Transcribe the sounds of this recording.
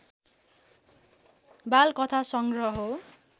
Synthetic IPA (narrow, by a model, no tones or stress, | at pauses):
balkʌt̪ʰasʌŋɡrʌɦo